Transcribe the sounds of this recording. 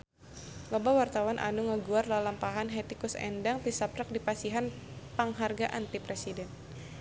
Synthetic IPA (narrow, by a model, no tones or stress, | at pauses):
lɔbawart̪awanʔa̰nuŋəɡuarlalampaɦanɦɛt̪ikusɛ̰ndaŋt̪isapɾək̚dipasiɦan | paŋɦarɡaʔant̪ipɾesidɛn